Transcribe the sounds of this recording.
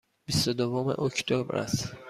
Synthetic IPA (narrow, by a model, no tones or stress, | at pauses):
b̥ist̪od̪ovomḛʔocʰt̪ʰobɾæ̰s